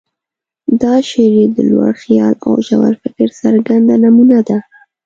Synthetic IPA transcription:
d̪ɑʃeɾid̪əlwa̰ɽxijɑla̰wʒawaɾfɪkɪɾsaɾɡand̪anamunad̪a

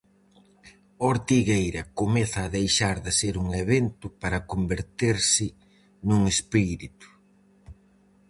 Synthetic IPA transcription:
oɾt̪iɣejɾɐkomɛθɐːðejʃaɾðɪseɾuŋeβent̪ʊpaɾɐkombeɾt̪eɾsɪ | nuŋespiɾit̪ʊ̥

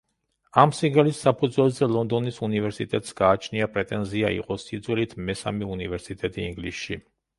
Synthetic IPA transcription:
amsiɡɛlisːapʰud̪zwɛlˠzɛlˠɔnd̪ɔnisunivɛɾsit̪ʼɛt̪ʼsɡaːt͡ʃʰniapʼɾɛt̪ʼɛnziaḭqʼɔsid̪zwɛlit̪ʰmɛsa̰miunivɛɾsit̪ʼɛt̪ʼiːŋɡlisʃi

